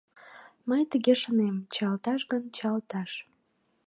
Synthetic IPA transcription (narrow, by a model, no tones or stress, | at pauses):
məjt̪əɣeʃənemt͡ɕɑlt̪ɑʃɡənt͡ɕɑlt̪ɑʃ